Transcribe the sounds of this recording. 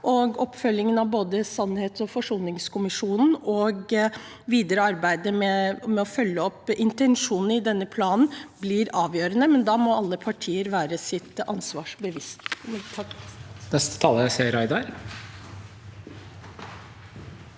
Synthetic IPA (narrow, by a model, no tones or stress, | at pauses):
ʔɔɡɔpːfœlːɪŋənɑʋboːd̪əsɑnːheːt̪ɔfɔʂuːlnɪŋskʰʊmɪʂuːnn̩ɔɡ | ʋiːd̪əɾəɑɾbæɪd̪əmɛmɛɔfœlːəɔpːʔɪnt̪ɛnʂuːnn̩ɪd̪ɛnːəpʰlɑːnn̩blɪɾɑːʋjøːɾənəmɛnd̪ɑːmɔɑlːəpʰɑʈʰiːəɾʋæːɾəsɪt̪ɑ̰nsʋɑːʂbəʋɪst̪ʰ | nɛst̪ə̥t̪ʰɑːləjæɪseːɾæɪd̪ɑɾ